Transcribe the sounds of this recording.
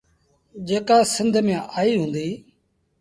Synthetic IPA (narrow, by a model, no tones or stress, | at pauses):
d͡ʒeːkaːsɪnd̪ʱmjãːʔaːiːɦũːnd̪iː